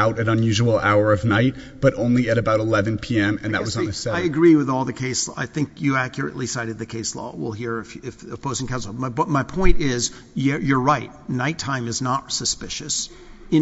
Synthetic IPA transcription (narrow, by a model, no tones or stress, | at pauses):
aʊɾɨ̃ɾɨ̃njʉʒəl̩ˠa̰ʊə˞ʌvnaɪt̚ | b̥ʌɾʔõʊ̃nliɨɾɨbaʊɾəlɛvɨ̃npʰiɛ̃mɨ̃nðɨ̰t̚wʌzn̩ɨsaɪɨɡɹiwɨðɔlˠðɨkʰeɪsa̰ɪθɪ̃ŋkjɨækjə˞ɨ̰ʔlisaɪɾɨd̪̚ðɨkʰeɪslɔ̰wɪ̰lˠɦiɹɪfɪfɨb̥oʊsŋkʰæzl̩ˠaʌmaɪpʰɔ̃ɪ̃ntɪz | jə˞ɹaɪt̚naɪtʰãɪ̃mɨznətsəspɪʃɨs | ɨ̃